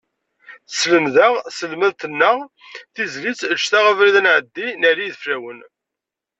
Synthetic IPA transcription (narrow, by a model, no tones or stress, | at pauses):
sləmðəʁsəlməðt̪ənːəʁ | θizlit͡sːʃt̪aʁəvɾiðənʕəd̪ːinæɾiðfɾæwən